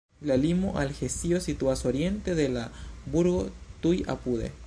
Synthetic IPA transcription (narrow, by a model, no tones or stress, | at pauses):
lalimoʔalxesiosit̪uasoɾjent̪eðelabuɾɣot̪uja̰puðḛ